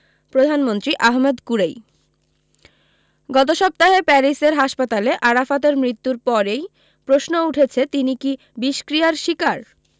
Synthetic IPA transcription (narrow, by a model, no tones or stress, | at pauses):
pɾod̪ʱanmont̪ɾiʔaɦmed̪kuɾej | ɡɔt̪oʃɔp̚t̪aɦepɛɾiseɾɦaʃpat̪aleʔaɾafat̪̬eɾmɾit̪ːuɾpɔɾej | pɾosnouʈʰet͡ɕʰet̪iniki | biʃkɾijaɾʃikaɾ